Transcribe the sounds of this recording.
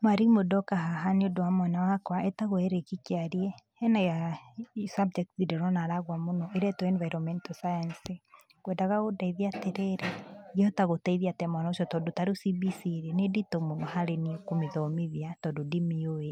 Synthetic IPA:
maɾimodɔkaɦaɦaneodowamwanawakwaʔɛtaɣoɛɾekikeaɾiɛ | ɛnaja | sabd͡ʒɛk̚tðidɛɾɔnaɾaɣwamonɔʔeɾɛtɔɛnvajɾɔmɛntɔsajansi | kwɛndaɣaɣodaiðiateɾɛɾeɣɔtaɣotaiðiatamwanaoʃɔtɔdotaɾusibisiɾeneditomonɔhaɾeniokomeðɔmiðiatɔdodimioe

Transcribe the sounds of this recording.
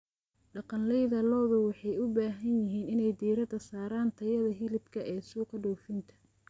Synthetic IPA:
ɖɑqɑnlɛjðɐlɔːðʊwɑħɑjʊbaːɦɐnjɪɦiːnɪnɛjd̪iːɾɐd̪ɐsaːɾaːnt̪ʰɐjɐðɐɦɪlɪbkʰɐʔɛːsuːqʰɐɖɔwfɪnt̪ʰɐ̥

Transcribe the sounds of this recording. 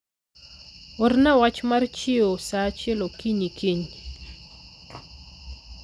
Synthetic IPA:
ornawat͡ʃmart͡ʃɪosat͡ʃelokiɲikʰiɲ

